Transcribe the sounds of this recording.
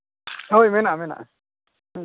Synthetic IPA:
ɦojmɛnaʔmɛna̰ʔ

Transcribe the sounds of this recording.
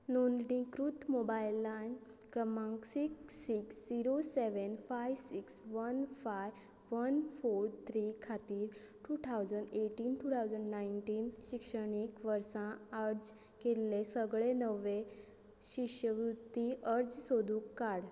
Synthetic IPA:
nond̪ɽĩkɾut̪mobajlːankɾəmãŋksiksiksd͡ziɾoseʋənfajʋsiksʋənfaj | ʋənfoɾt̪ʰɾikʰat̪iːɾ | ʈut̪ʰawd͡zəɳɖeʈiːnʈut̪ʰawd͡zəɳɖnaiɳʈiːnɕikʂəɳ̃ekʋəɾsãəɾd͡z | kelːesəɡɭenəʋe | ɕiʂjəʋɾud̪iʔəɾd͡zsod̪ʱuːkːaɽ

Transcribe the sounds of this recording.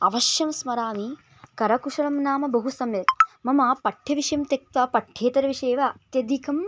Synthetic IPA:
ɐʋɐʃjɐmsmɐɾaːmi | kɐɾɐkuʂɐɾɐmnaːmɐbɐɦusɐmjɐt̪mɐmɐpɐʈʰjɐʋiʂɐjɐmt̪ek̚t̪ʋɐpɐʈʰjeːt̪ɐɾɐʋiʂeːʋɐːt̪jɐd̪ikʰɐm

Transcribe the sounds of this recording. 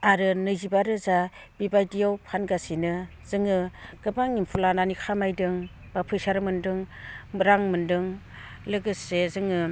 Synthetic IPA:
aɾɯnɯjzibaɾɯza | b̥ibajdijawpʰanɡasinɯ | z̥ɯŋɯɡ̥ɯbaŋimpʰulananikʰamajdɯŋ | bapʰɯjsaɾɯmɯndɯŋɾaŋmɯndɯŋ | lɯɡɯsezɯŋɯ

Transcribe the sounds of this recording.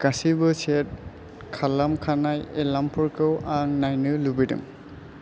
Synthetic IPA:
kasibɯset̚ | kʰalamkʰanajelampʰɔɹkɯwaŋnajnɯlubidɯ̰ŋ

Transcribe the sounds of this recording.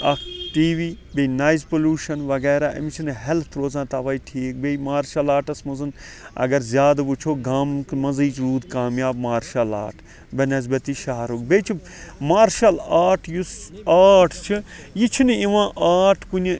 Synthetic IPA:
ɐ̰kʰʈiːʋiː | benaːjzpoluːʃɐnʋɐɡɛːɾaːʔɐ̰mit͡ʃʰinɨɦelt̪ʰɾoːzãːt̪ɐʋɐːiʈʰiːk̚bemaːɾʃɐlaːʈɐsmɐzɨn | ɐ̰ɡɐɾzjaːd̪but͡ʃʰoːɡamkmɐnziːt͡ʃɾuːd̪kaːmjaːbmaːɾʃɐla̰ːʈʰ | bʲɐnɐzbɐt̪iʃɐɦɾukbeːt͡ʃʰi | maːɾʃɐlaːɾʈʰjusaːʈʰt͡ʃʰijit͡ʃʰinɨiʋãːʔaːʈʰkuni

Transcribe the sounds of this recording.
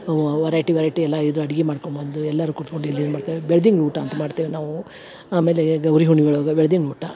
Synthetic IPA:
ʋɐɾaːjʈiʋɐɾɐjʈiɛlːɐid̪ɾuɐɽiɡemaːɽkombɐnd̪uɛlːaːɾukuɽt̪koɳɖuilːid̪maːɽt̪aʋebɛɭɐd̪iŋɡɭuːʈɐɐnt̪ɐmaːɽt̪iːʋinaːʋu | aːme̞ːleɡɐwɾiɦuɳiɡɐɭoːɡɐbɛɭɐd̪iŋɡɭuːʈa

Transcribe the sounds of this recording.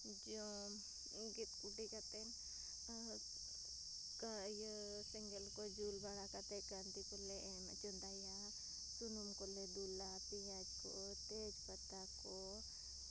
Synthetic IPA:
d͡ʒo | ɡit̪kuɖikat̪en | kaj | sɛŋɡelkod͡ʒulbaɽakat̪ekant̪ikole | mt͡ʃɔnd̪aja | sunumkoled̪ulapijad͡ʒko̰ | t̪ed͡ʒpət̪ːako

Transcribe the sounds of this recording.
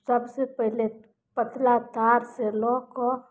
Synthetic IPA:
səbsepəɦile | pət̪lat̪aɾseloko

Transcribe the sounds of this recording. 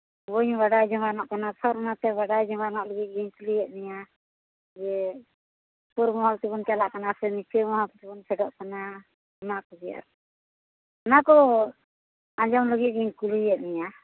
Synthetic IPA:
bɔɲbaɖajd͡ʒɔŋanɔʔkanatʰɔɾɔnat̪ɛbaɖajd͡ʒɔŋanɔʔlɔɡit̪̚ˀɡiɲkulujɛʔ̪̚nija | d͡ʒɛ | puɾmɔɦapt̪ibɔnkalaʔkanasʰɛnit͡ʃʰimɔɦapt̪ibɔnsʰɛɖɔʔkana | ɔnakud͡ʒija̰ɾ | ɔnakɔ | ad͡ʒɔmlɔɡit̪̚ɡiɲkulujɛʔ̪̚nija

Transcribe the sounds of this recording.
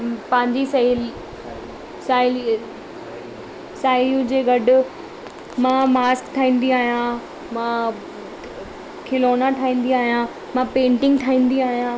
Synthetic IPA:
pɐ̃ɦɪ̃ɲd͡ʑis | saːɪl | saːɪljũd͡ʑeːɡɐɖʊ | mãːmaːskt̪ʰaːĩːn̆d̪iaːɦijã | mã | kʰɪloːnaʈʰaːĩːn̆d̪iaːɦijã | mãpẽːɳʈɪ̃ŋɡt̪ʰaːĩːn̆d̪iaːɦijã

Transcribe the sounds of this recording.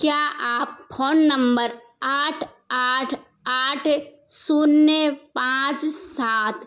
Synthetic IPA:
kjaːʔaːppʰoːnːəmbəɾ | aːʈʰ | aːʈʰ | aːʈʰ | sunːepãːt͡ʃsaːt̪ʰ

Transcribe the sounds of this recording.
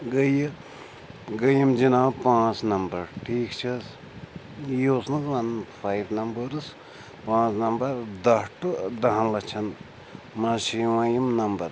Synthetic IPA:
ɡəjə | ɡəjimd͡ʒinãːpãːt͡snɐmbɐɾʈʰiːkt͡ʃʰɐs | josnɨzɐnpʰajbnɐmbəɾs | pãːt͡snɐmbɐɾd̪ɐʈɨd̪ɐɦɐnlɐt͡ʃʰɐn | maʃiwãːjimnɐmbɐɾ

